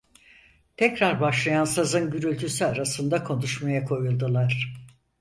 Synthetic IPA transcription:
t̪ʰɛcɾaɾbaʃlˠajansazɯnɟyɾylʲt̪ʰysyaɾasɯnd̪akʰo̞nuʃmajakʰo̞julˠd̪ulˠaɾ̥

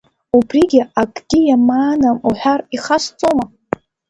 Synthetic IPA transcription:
ubriɡʲiakʼɡʲijamaːnamuħʷᶣariχast͡sʼoma

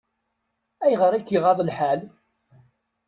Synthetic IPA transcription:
æjʁəɾˤækːiʁɑðˤəlħal

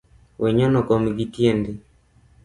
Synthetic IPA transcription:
wɛɲɔnɔkɔmɡitjendi

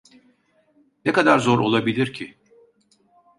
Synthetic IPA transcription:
nɛkad̪aɾzo̞ɾo̞lˠabilʲiɾcʰi

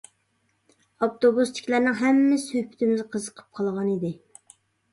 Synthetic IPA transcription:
ɑpt̪obust̪ʰɪ̥kʲlæɾnɪŋɦɛmːɪshøpʰːɪ̥t̪ʰɪmɪzqʰəzəqʰə̥p̚qʰɑlˠʁɑnid̪ɪ

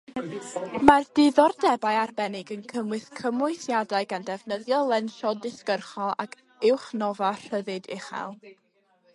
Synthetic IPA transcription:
mard̥ɪðɔrdɛbaɨarbɛnɪɡənkʰəmwɨθkʰəmʊɨθjadaɨɡandɛvnəðjɔlˠɛnʃɔdɪskərχɔlˠa̰kʰ | ɪwχnɔvar̥əðɨdɪ̰χa̰lˠ

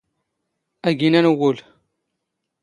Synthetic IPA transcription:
æɡinænwul

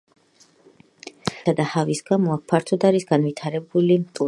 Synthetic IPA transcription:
ad̪ahavisɡ̥amɔak̚pʰaɾt̪ʰɔd̪aɾisɡ̥anvit̪ʰaɾɛbulimt̪ʼu

